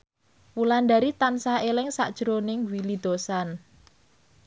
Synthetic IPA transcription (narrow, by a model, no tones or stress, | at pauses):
wulandaɾit̪ansahelɪŋsa̰ʔd̥ʒ̥ɾonɪŋwilid̪̥o̤san